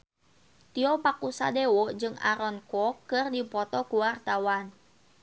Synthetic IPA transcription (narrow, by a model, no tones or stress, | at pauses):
t̪iɔpakusa̰dewɔd͡ʒɨŋʔa̰ɾɔnkɔkːɨrdipɔt̪ɔkuwart̪awan